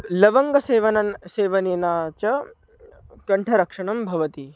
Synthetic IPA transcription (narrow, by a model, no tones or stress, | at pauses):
lɐʋɐŋɡɐseːʋɐnɐseːʋɐneːnaːt͡ʃɐ | kɐɳʈʰɐɾɐkʂɐɳɐmbʱɐʋɐt̪i